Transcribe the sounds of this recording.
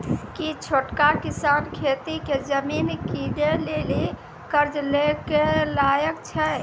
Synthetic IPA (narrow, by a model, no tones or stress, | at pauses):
kit͡ʃʰoʈkakisankʰet̪iked͡ʒəminkiɖeleli | kəɾd͡ʒlekelajəkt͡ʃʰɛ